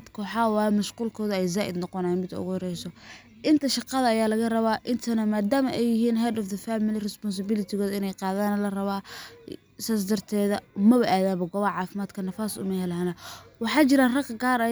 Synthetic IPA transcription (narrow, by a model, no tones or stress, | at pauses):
d̪kʰwħɑːwɑːjmɐʃquːlkʰɔːðɐɛjzaːʔɪ̰d̪nɔqɔnajnmɪd̪ʊ̰ɣʊhɾɛjsɔ | ʔɪnt̪ʰɐʃɑqɑðɐːjaːlɐɣɐrɐβaːʔɪnt̪ʰɐnɐmaːd̪aːmɐʔɛjɪɦiːnɦadɔfd̪ɐfaːmɪlɪrɛspɔns̬ɪbɪlɪt̪ʰɪɣɔːðɪnɛjqɑːðaːnɐlɐrɐβaː | saːs̬d̪ɐrt̪ʰɛːðɐmɐβɐʔaːðaːβɐɡɔβɐʕɑːfɪmaːd̪kʰɐnɐfaːsʊ̰mɐhɛlaːnɐwɑħɑːt͡ʃɪɾaːnrɐkɡaːɾɐ